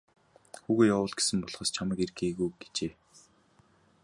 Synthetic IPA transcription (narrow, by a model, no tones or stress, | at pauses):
xuːɣeːjawʊːɮɡe̥sɘ̆mpɔɮχɔːst͡ɕʰamə̆kerɡeːɣujɡ̥e̥t͡ɕeː